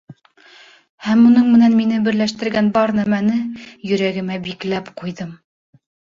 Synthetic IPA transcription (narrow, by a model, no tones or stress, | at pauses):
hæmunɤɴmɘ̆nænminɘbɘ̆ɾlæʃt̪ɘ̆ɾɡænbɑɾnæmænɘjɵ̆ɾæɡɘ̆mæbiklæpqujðɤm